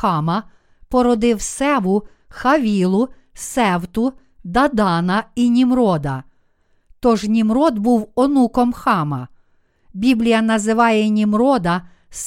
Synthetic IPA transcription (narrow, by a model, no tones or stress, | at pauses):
ɑmɐ | pɔɾɔd̪ɪwsɛʋʊ | xɐʋʲilˠʊ | sɛwt̪ʊ | d̪ɐd̪ɑnɐinʲimɾɔd̪ɐ | t̪ɔʒnʲimɾɔd̪buwɔnukɔmxɑmɐ | bʲiblʲijɐnɐzɪʋɑjɛnʲimɾɔd̪ɐ | s